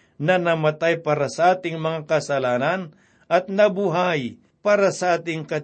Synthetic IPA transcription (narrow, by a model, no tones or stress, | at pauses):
nɐnɐmɐt̪ajpaːɾɐsɐʔaːt̪ɪŋmɐŋakɐsɐlaːnɐn | ʔɐt̪̚nɐbuɦaj | paːɾɐsɐʔaːt̪ɪŋkɐ